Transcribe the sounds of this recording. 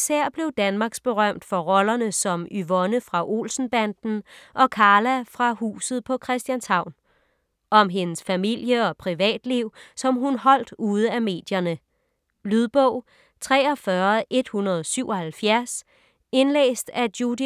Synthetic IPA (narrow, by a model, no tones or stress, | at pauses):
sæɐ̰b̥le̝ʊd̥ænmɑ̈ːɡ̥sb̥e̝ʁɶm̰d̥fɒ̽ʁɒ̽lɐnəsɒ̽myʋɔ̽nəfʁɑ̈ʔo̝̰ːlsn̩b̥ænd̥n̩ʔɒ̽kʰɑ̈ːlæfʁɑ̈hṵːsð̞̩ˠpʰɒ̽kʰʁɛsd̥jænshɑ̈ʊ̰n | ʔɒ̽mɦe̝nəsfæmil̰jəɒ̽pʰʁiʋɛ̰ːd̥liʊ̰sɒ̽mɦunhɒ̽l̰d̥uːð̞ˠəæme̝̰ːd̥jɐnə | lyðˠb̥ɔʊ̰ | t͡sʰʁɛ̰ːɒ̽fɶɐʔe̝d̥hunɐð̞ˠsyʊ̰ɒ̽hælfjæɐs | e̝nlḛːsd̥æd̥jud̥i